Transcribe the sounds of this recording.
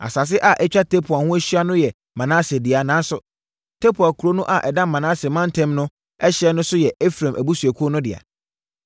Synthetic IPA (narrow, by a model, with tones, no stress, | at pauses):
a̰˨sa˨s̬ɪ˦ʔa˨ʔɛ˦t͡ɕᶣa˦tʰɛ˦pʰʊ˨a˨hʊ̃˦æ˦ɕɥa˦nʊ̃˦jɛ˨ | mã˨nãː˦sɪ˨e˨dɪ˨a˨nã˨˦n˦sʊ˨ | tʰɛ˦pʰu˨a˨kʰu˨ɾo˦nʊ̃˦ʔa˨ʔɛ˨dã˦mmã˨nãː˦sɪ˨e˨mã˦ntʰɛ̃˦mnʊ̃˦ | ɛ˦ɕɛ˦nʊ̃˦sʊ˦jɛ˨e˦fɾã˨mʔæ˨bu˦su˨æ˨kʰu˦o˦nʊ̃˦dɪ̰˨a̰˨